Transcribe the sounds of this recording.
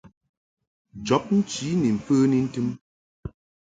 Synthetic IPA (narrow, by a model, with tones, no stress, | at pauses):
d͡ʒɔ˨˦p̚n̩˦t͡ʃi˨˦ni˨m̩˨fəː˦ni˦n̩˦tɨ˦m